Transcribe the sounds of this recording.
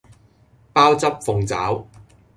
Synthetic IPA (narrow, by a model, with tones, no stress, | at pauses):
paː˥wt͡sɐ˥p̚fʊ˧ŋt͡sa̰ː˨˥w